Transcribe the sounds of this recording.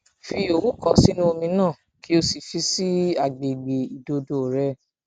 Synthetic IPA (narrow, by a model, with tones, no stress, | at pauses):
fi˧o˨wu˦kɔ̃˧si˦nũ˦o˧mĩ˧nãː˦˨ | ki˦o˧si˨fi˧˦si˦a˨ɡ͡be˨ɡ͡be˨i˨do˧do˨ɾɛ˧˦